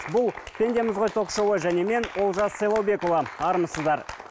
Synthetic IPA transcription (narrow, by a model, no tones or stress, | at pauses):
bʊlˠpʰʲend̪e̞mɪzʁojt̪ʰoqʃowojʒæne̞me̞nwo̞lˠʒɑssɑjlˠɑwbe̞kovɑɑɾəməsəzd̪ɑɾ